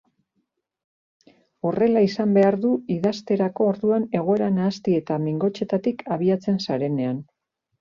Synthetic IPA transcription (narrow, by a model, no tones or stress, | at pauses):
o̞re̞laisambe̞aɾðuiðast̪e̞ɾako̞ːɾðuane̞ɣ̞o̞e̞ɾanaːst̪ie̞t̪amiŋɡo̞t͡ʃe̞t̪at̪ikʰaβ̞iat͡se̞nsaɾe̞ne̞an